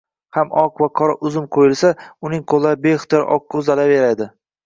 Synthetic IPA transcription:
hamɒqvaqʰɒɾaʔʊzɪmqʰojɪlsaʊnɪŋqʰolˠaɾbeχt̪ʰɪɾʔɒ̰qːʊzalaveɾad̪ɪ

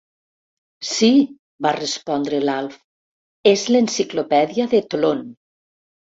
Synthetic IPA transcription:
si | barespɔnd̪ɾelalˠf | ezlensiklopɛðiaðet̪lon

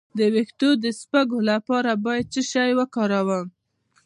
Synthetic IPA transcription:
d̪əwext̪od̪əspaɡolapɑɾabɑjad̪̚t͡səʃajwəkɑɾawəm

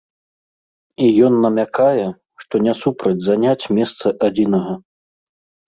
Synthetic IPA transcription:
ijɔnːɐmʲakajɛ | ʂt̪ɔnʲɛsupɾɐd͡zʲzanʲat͡sʲmʲɛst̪sɐʔad͡zʲinɐɣɐ

